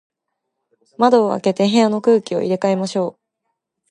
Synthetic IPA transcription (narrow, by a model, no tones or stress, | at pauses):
mad̪o̞ːa̰ke̞t̪e̞ɦeano̞kɯ̟ːkʲio̞̰ʔḭɾe̞kae̞maɕo̞ː